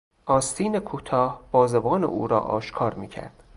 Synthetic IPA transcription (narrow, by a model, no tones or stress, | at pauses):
ʔɒːst̪ʰiːnekʰuːt̪ʰɒːhb̥ɒːzebɒːnḛʔṵːɾɒ̰ːʔɒ̰ːʃkʰɒːɾmiːcʰæ̰ɾd̪̥